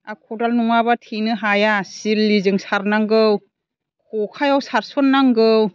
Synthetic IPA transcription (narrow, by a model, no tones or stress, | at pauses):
akʰɔdalnuŋabatʰinɯɦajasilːizɯŋsaɾnaŋɡɯw | kʰɔkʰajawsaɾsɔnːaŋɡɯw